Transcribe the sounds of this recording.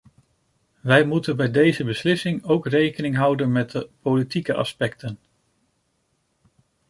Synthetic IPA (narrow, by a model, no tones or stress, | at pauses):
ʋɛjmutənbɛjdejzəbəslɪsɪŋowkrejkənɪŋɦʌwdənmɛt̚dəpolitikəʔɑ̰spɛk̚tən